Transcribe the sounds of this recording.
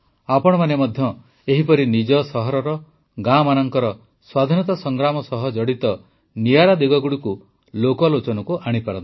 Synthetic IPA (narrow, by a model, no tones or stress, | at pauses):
apɔɽ̃ɔmanemɔd̪ʱjɔ | eɦipɔɾinid͡ʒɔsɔɦɔɾɔɾɔ | ɡamanɔŋkɔɾɔ | swad̪ʱinɔt̪ɔsɔŋɡɾamɔsɔɦɔd͡ʒɔɽit̪ɔ | nijaɾad̪iɡɔɡuɽiku | lokɔlot͡ʃɔnɔkuʔaɽ̃ipaɾɔ̰nt̪i